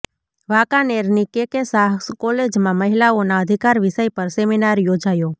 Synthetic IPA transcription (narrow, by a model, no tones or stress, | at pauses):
ʋakaneɾnikekesaɦkskɔled͡ʒmãməɦilaonaəd̪ʱikaɾʋiʃəjpəɾseminaɾjod͡ʒajo